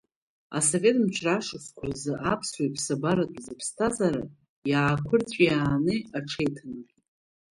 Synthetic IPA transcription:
a̰so̞vʲe̞tʼmt͡ʃʷʰraʂɨskʷʰʊrzɨʔapʰswajpʰsabaɾatʷʼzɨpʰstʰazaɾa | jaːkʷʰʊrt͡sʷʼjaːnɨaʈ͡ʂʰejtʰanɨr

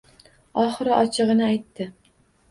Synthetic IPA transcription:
ɒχɨɾɨʔɒt͡ʃʰɨʁɨnɪajt̪ʰːɪ

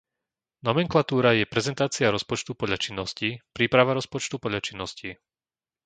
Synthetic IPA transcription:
nɔmɛŋklat̪uːɾajɛpɾɛzɛnt̪aːt͡siaɾɔspɔt͡ʃt̪upɔʎat͡ʃinːɔscipɾiːpɾaʋaɾɔspɔt͡ʃt̪upɔdʎlat͡ʃinːɔsci

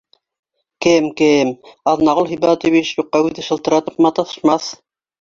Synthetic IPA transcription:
kɘmkɘmɑðnɑʁolˠɦijbɑt̪iβiʃjuqːɑʉðɘʃɤ̆lˠt̪ɤ̆ɾɑt̪ɤ̆pmɑt̪ɑθɤ̥̆ʃmɑθ

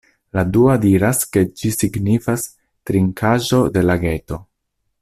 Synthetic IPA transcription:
laduadiɾaske̞d͡ʒisiɡnifas | tɾiŋkʰaʒo̞de̞laɡe̞to̞

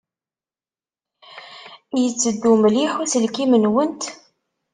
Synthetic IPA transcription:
jət͡sːəd̪ːumliħæsəlkimənwənt̪

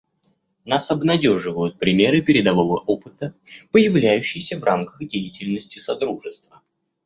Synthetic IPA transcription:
nasɐbnɐdʲo̞ʐɨvəjʊt̪̚pɾʲɪmʲe̞ɾɨpʲɪɾʲɪd̪ɐvo̞vəʔo̞pɨt̪əpəjɪvlʲæjʉɕːɪjsʲəvrʔamkəxdʲejɪtʲɪlʲnəsʲtʲɪsɐd̪ɾuʐɨst̪və

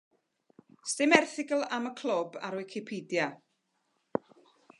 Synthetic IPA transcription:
stɪmɛrθɪɡəlˠaməkʰlʊba̰ɾwɪkʰɪpʰiːdja

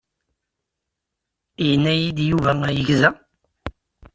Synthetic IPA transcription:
ənːæjid̪juvææjəʝzæ

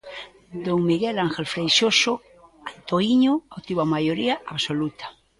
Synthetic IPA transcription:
d̪oŋmiɣɛlaŋxelfɾejʃoso | ant̪oiɲoawt̪iβamajoɾiaaβsolut̪ḁ

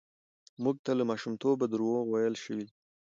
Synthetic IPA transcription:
muɡ̚t̪aləmɑʃumt̪obad̪əɾuwowajəlʃəwi

